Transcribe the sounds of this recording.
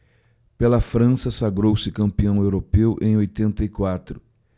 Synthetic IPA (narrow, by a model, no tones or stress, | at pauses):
pelɐfɾɐ̃sɐsaɡɾowsɪkɐ̃mpiɐ̃w̃ewɾopewʔḛ̃j̃ojt̪ẽnt̪ɐikwat̪ɾʊ